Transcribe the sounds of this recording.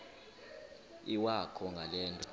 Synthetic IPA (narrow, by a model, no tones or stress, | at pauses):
iwakʰɔŋɡʱalɛːntʼɔ